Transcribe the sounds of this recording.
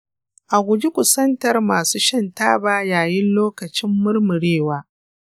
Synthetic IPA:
ʔa˨ɡʷʊ˨d͡ʒi˦kʷʊ˨sɐ˦ntɐ˨rmaː˨suː˦ʃɐ˦ntaː˦baː˦jaː˨jɪ˦nloː˦kɐ˨t͡ʃɪ˦mːʊ˦rmʊ˨ɽeː˦˨waː˦

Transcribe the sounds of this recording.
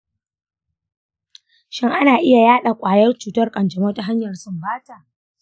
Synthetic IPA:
ʃɪ˦ŋʔa˦naː˨ʔɪ˦ja˨jaː˦ɗa˨kʷʼaː˨jɐ˦rt͡ʃuː˨tɐ˦rkʼɐ˨nd͡ʒɐ˨mɐ˦ta˨ɦa˦ɲjɐ˨rsʊ˨mbaː˦taː˨ʔ

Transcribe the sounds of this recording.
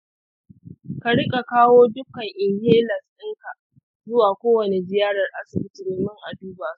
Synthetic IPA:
ka˨ɽɪ˦kʼa˨kaː˦woː˦dʊ˦kːɐ˨ŋʔɪ˨ŋjeː˦lɐ˨sɗɪ˦ŋka˨ | zʊ˦waː˨kʷoː˦wɐ˨ne˨d͡ʒɪ˦jaː˦ɽɐ˨rʔa˦sɪ˨bɪ˦tɪ˨ɾɪ˦mɪ˦ŋʔa˨duː˦baː˨su̥˦

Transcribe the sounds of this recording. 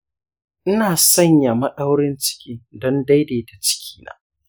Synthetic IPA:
ʔɪ˦naː˨sɐ˦ɲja˨mɐ˦ɗa˦wɽɪ˦nt͡ʃɪ̥˦kʲiː˦dɔ˦nda˦jdeː˨da˨t͡ʃɪ̥˦kʲiː˦na̰ː˨

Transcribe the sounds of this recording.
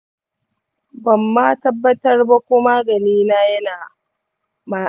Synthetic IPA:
bɐ˨mːa˦tɐ˦bːɐ˦tɐ˦rba˦kʷʊ˦ma˦ɡɐ˨liː˦laː˦jɐ˦naː˨ | ma˨

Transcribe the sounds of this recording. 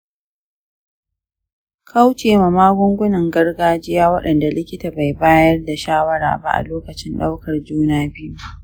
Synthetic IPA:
kʰa˦wt͡ʃeː˨ma˨maː˦ɡʷʊ˦ŋɡʷʊ˦nɐ˨ŋɡɐ˦rɡaː˦d͡ʒɪ˦jaː˦wɐ˦ɗɐ˨nda˨lɪ˦kʲɪ˦taː˨ba˨jbaː˦jɐ˦rda˨ʃaː˦wɐ˦ɾa̰ː˨ba̰˦ʔa̰˨loː˦kɐ˨t͡ʃɪ˦nɗa˦wkɐ˨rd͡ʒuː˦naː˦bi˦u˦a˨ʔ

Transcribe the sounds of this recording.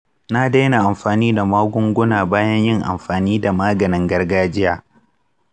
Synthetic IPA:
na˦da˦jna˨ʔa˨mɸaː˨niː˦da˨maː˦ɡʷʊ˦ŋɡʷʊ˦naː˨baː˦jɐ˦ɲjɪ˦ŋʔa̰˨mɸaː˨niː˦da˨maː˦ɡɐ˨nɪ˨ŋɡɐ˦rɡaː˦d͡ʒɪ˦jaː˨

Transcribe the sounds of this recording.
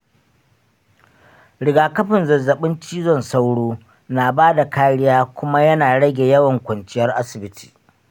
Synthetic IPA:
ɽɪ˨ɡaː˨kɐ˦ɸɪ˨nzɐ˨zːɐ˨ɓɪ˦nt͡ʃiː˦zɔ˦˨nsa˦wɽoː˦ | naː˨baː˦da˨kaː˦ɽɪ˦jaː˦kʷʊ˦ma˦jɐ˦naː˨ɽɐ˦ɡʲe˨jɐ˦wɐ˨ŋkʷɐ˨nt͡ʃɪ˦jɐ˦rʔa˦sɪ˨bɪ˦tʰi̥̰ː˨

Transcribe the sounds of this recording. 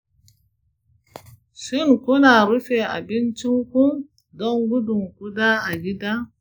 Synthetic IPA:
si˦˨nku˦na˨ɾi˦fe˨a̰˨bi˦nt͡ʃi˦ŋku˦m | dɔ˦ŋɡu˦du˨ŋku˦da˦a˨ɡi˦da˦

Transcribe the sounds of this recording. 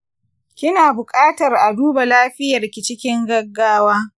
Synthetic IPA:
kʲɪ˦naː˨bʊ˨kʼaː˦tɐ˨rʔa˨duː˦ba˨laː˦ɸɪ˦jɐ˨rkʲɪ˨t͡ʃɪ˦kʲɪ˦ŋɡɐ˦ɡːaː˦waː˦

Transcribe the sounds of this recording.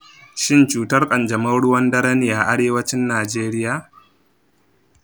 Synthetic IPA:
ʃɪ˦nt͡ʃuː˨tɐ˦rkʼɐ˨nd͡ʒɐ˨mɐ˦wɽʊ˦wɐ˦ndɐ˦ɾɐ˦ni˨ja˨ʔa˦ɽeː˦wɐ˦t͡ʃɪ˦nːaː˨d͡ʒeː˦ɾɪ˦jaː˨

